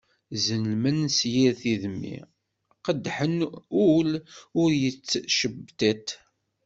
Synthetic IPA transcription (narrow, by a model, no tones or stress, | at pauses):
zənəlmənsjiɾθiðmːḭ | qəd̪ːħənulʊɾjət͡sːʃəbːt̪æt̪